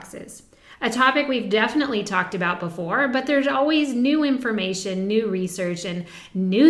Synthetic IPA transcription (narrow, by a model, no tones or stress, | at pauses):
ksɪ̰z | ɨtʰɑpɨkwivdɛfənəʔˡlitʰɔk̚tɨbaʊt̚b̥əfɔɹbʌt̪̚ðə˞zɔlˠwiznʉɪ̃ɱfə˞meɪʃɨ̃nːʉɹisɜ˞t͡ʃɨ̃nː | ʉ